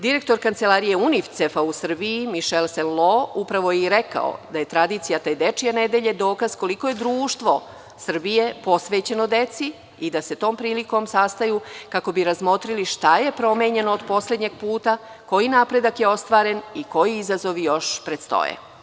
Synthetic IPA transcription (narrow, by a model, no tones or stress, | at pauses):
d̪iɾe̞k̚t̪o̞ɾkant̪se̞laːɾije̞unift̪sefausr̩biimiʃelselloupɾaʋo̞jiɾeka̰o̰d̪aje̞t̪ɾad̪iːt̪sijat̪ejd̪e̞t͡ʂijaned̪e̞ʎe̞d̪o̞ːkaz̥ko̞likojed̪ɾuːʃt̪ʋo̞ | sr̩bije̞po̞sʋeːt͡ɕe̞no̞d̪e̞t̪si | id̪ase̞t̪o̞ːmpɾiːliko̞msast̪ajukako̞biɾazmo̞t̪ɾiliʃt̪aje̞pɾo̞me̞ɲe̞noːd̪po̞sled̪ɲeɡ̚puːt̪a | ko̞jinapɾe̞d̪akjeo̞st̪ʋaːɾe̞niko̞jiizazo̞ʋijo̞ʃpɾet̪st̪o̰jḛ